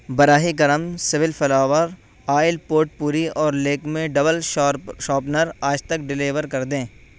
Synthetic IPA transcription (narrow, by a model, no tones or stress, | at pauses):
bɐɾaːɦikɐɾəmsɪʋɪlfʰɐlaːʋəɾ | aːɪlpoːʈ̚puːɾiɔːɾleːkmẽɖɐbəlʃɔːpnəɾaːd͡ʒt̪ɐk̚ɖɪliːʋəɾkɐɾd̪ẽː